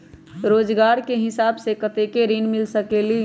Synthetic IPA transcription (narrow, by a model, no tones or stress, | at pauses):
ɾoːd͡ʒɡaːɾkeɦɪsaːbsekət̪ekeɾinmɪlsəkeli